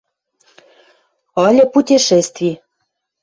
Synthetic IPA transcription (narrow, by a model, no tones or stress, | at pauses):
ɤlʲə̆putʲiʃest̪vʲi